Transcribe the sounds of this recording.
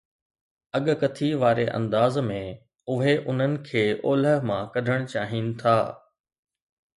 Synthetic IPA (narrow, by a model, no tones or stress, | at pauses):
ɐɠkɐt̪ʰiʋaːɾeʔɐ̰̃nd̪aːzmẽ | ʊɦeʔʊn̤ənɪ̆kʰeːʔoːləɦmãkɐɖʱəɽ̃t͡ɕaːɦinɪ̆t̪ʰaː